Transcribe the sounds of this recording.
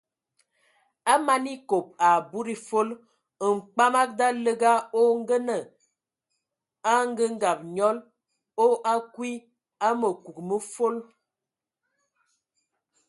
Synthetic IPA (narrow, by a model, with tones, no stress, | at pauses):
a˦ma˦ni˦ko˨p̚a˨bu˦ɾi˦fo˦l | ŋ͡m̩˨k͡pa˦ma˦k̚da˦lə˦ɡa˦o˦ŋ̩˦ɡə˦nə˨ | a˦ŋ˦ɡə˦ŋ̩˦ɡa˨p̚ɲɔ˦l | o˦ʔa˦kwi˦ | a˦mə˨ku˨kmə˦fo˦l